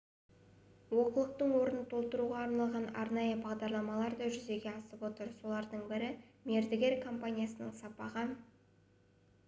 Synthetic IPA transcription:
wo̞qəlˠəq̚t̪əɴwo̞ɾənət̪ʰo̞lˠt̪əɾuʁɑːɾnɑlˠʁɑnɑ̰ɾnɑjəbɑʁd̪ɑɾlˠɑmɑlˠɑɾd̪ɑʒʏze̞ɡʲe̞ɑst̪əpwo̞t̪əɾso̞lˠɑɾd̪əɴbɪɾɪme̞ɾd̪ɪɡʲe̞ɾkʰo̞mpanʲijasənəɴsɑpɑʁə

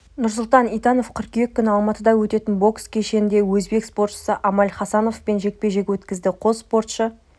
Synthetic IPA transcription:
nʊɾs̬ʊlˠt̪ɑnijt̪ɑno̞fkʲʰʏɾqje̞kʲɪkʲʰːʏnɪɑlˠmɑt̪əd̪ɑwɵt̪e̞t̪ɪnbo̞kskʲʰeʃe̞nɪnd̪e̞wɵzbe̞kspo̞rt̪ʃə̥səʔɑmɑlχɑsɑno̞fpe̞nʒe̞k̚pe̞ʒe̞kʲwɵt̪kʲɪzd̪ɪqʰo̞zspo̞rt̪ʃə

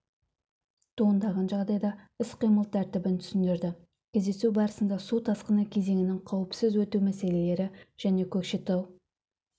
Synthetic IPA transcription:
t̪ʰoənd̪ɑʁɑnʒɑʁd̪ɑjd̪ɑɪsqijməlˠt̪ʰæɾt̪ɪbɪnt̪ʰʏ̥sɪnd̪ɪɾd̪ɪ | kʲʰezd̪esubɑɾəsənd̪ɑsut̪ʰɑsqənəkʲʰe̞ze̞ŋʲɪnɪŋqʰɑwəpsəzwɵt̪uwmæse̞le̞le̞ɾɪʒ̥æne̞kʲʰɵkʃet̪ew

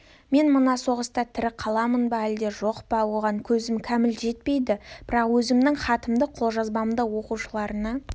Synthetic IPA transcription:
me̞nmənɑso̞ʁəst̪ɑt̪ʰɪɾɪqʰɑlˠɑmənbɑæld̪e̞ʒo̞qpɑwoʁɑŋkʲʰɵzɪmkʲʰæmɪlʒe̞t̪̚pe̞jd̪ɪb̥ɪɾɑqwɵzɪmnɪŋχɑt̪əmd̪əqʰo̞lˠʒɑzbɑmd̪əwo̞quʃəlˠɑɾənɑ

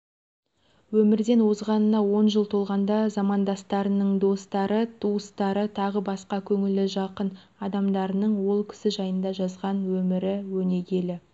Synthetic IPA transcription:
wɵmɪɾd̪e̞nwo̞zʁɑnənɑwo̞nʒəlˠt̪ʰo̞lˠʁɑnd̪ɑzɑmɑnd̪ɑst̪ɑɾənəɴd̪o̞st̪ɑɾət̪ʰuəst̪ɑɾət̪ʰɑʁəbɑsqɑkʲʰɵŋɪlɪʒɑqən | ɑd̪ɑmd̪ɑɾənəɴwo̞lˠkʲʰɪ̥sɪʒɑjənd̪ɑʒɑzʁɑnwɵmɪɾɪwɵne̞ɡʲe̞lɪ

